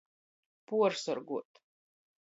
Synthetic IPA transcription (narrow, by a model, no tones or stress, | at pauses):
puɔɾsɔɾɡuɔt̪